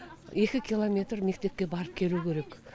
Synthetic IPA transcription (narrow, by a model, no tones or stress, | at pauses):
e̞kʲɪkʲʰilˠo̞mʲe̞t̪ɾme̞k̚t̪e̞p̚kʲe̞bɑɾəp̚kʲʰe̞lukʲʰe̞ɾe̞k